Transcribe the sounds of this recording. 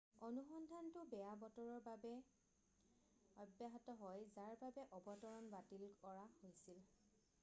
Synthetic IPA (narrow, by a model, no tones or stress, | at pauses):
ɔnuxɔndʱantʊbɛjabɔtɔɹɔɹbabɛ | ɔbjaɦatɔɦɔjzaɹbabɛʔɔbɔtɔɹɔnbatilkɔɹahojsil